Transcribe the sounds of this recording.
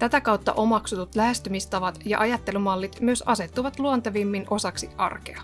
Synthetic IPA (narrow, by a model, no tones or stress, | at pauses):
t̪æt̪ækɑwt̪ːɑ̰ʔo̞mɑksut̪ut̪læhe̞st̪ymist̪ɑʋɑt̪jɑ̰ʔɑjɑt̪ːe̞lymɑlːit̪myøsɑse̞t̪ːuʋɑt̪luont̪ɑʋimːino̞sɑksiɑ̰rkḛɑ